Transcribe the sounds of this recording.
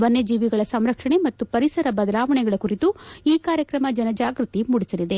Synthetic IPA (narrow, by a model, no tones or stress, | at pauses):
bɐnːed͡ʒiːʋiɡɐɭɐsɐmɾɐkʂɐɳe̞mɐt̪ːupɐɾisɐɾɐbɐd̪ɐlaːʋɐɳɛɡɐɭɐkuɾit̪uiːkaːɾjɐkɾɐmɐd͡ʒɐnɐd͡ʒaːɡɾut̪imuɽisɐlid̪e̞